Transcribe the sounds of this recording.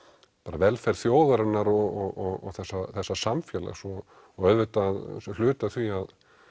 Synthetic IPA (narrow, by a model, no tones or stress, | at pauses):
paːɾavɛlfɛɾ̥θjoːwðaɾɪnːaɾɔɔɣɔɣɔ̰θɛsːaθɛsːḁsamfjɛla̰ɣsɔ | ɔɣœðvʏt̪aðslʏːt̪aθviað